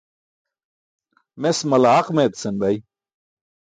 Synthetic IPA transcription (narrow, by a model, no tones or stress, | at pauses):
mesmɐlaaqmet̪senbɐj